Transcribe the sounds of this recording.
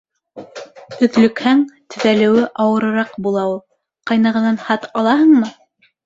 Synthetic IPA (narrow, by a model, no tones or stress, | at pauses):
ɵ̆ðlɵ̆khæŋt̪ʰɵ̆ðælɘ̆wɘʔɑwɤ̆ɾɤ̆ɾɑqbulˠɑulˠ | qɑjnɑʁɤ̆nɑnhɑt̪ɑlˠɑɦɤ̆ɴmɤ